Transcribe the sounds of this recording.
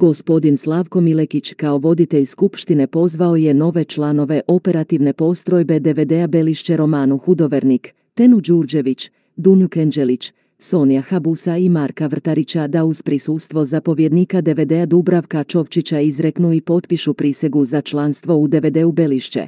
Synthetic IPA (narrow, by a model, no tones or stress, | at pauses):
ɡ̥o̞spo̞d̪inslˠaːʋko̞mile̞kit͡ɕkao̞ʋo̞d̪it̪eʎskupʃt̪ine̞po̞zʋao̞je̞no̞ʋe̞t͡ʃlano̞ʋe̞ʔo̞pe̞ɾat̪iʋne̞po̞st̪ɾo̞jbe̞d̪e̞ʋed̪eabe̞liʃt͡ɕeɾo̞maːnuxud̪o̞ʋeɾnik | t̪e̞nud͡ʒuɾd͡ʑe̞ʋit͡ɕ | d̪unjukend͡ʒe̞lit͡ɕ | so̞nijaxabusaimaɾkaʋr̩t̪aɾit͡ɕad̪auz̥pɾisust̪ʋo̞zapo̞ʋje̞d̪nikad̪e̞ʋed̪ead̪ubɾaʋkat͡ʃo̞ʋt͡ʃit͡ɕaizɾe̞knuipo̞t̪piʃupɾise̞ɡuzat͡ʃlanst̪ʋo̞ud̪e̞ʋed̪e̞ube̞liʃt͡ɕḛ